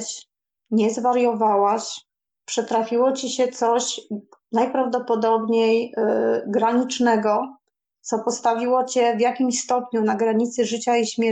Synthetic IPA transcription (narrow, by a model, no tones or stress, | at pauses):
t͡ɕ | ɲɛzvaɾjɔvawaɕ | pʂɛt̪ɾafʲiwɔt͡ɕiɕɛt̪sɔɕnajpɾavd̪ɔpɔd̪ɔbɲej | ɡɾaɲit͡ʂnɛɡɔ | t̪sɔpɔst̪avʲiwɔt͡ɕɛvjakʲimɕst̪ɔpɲunaɡɾaɲit̪sɘʐɘt͡ɕaiɕmʲɛ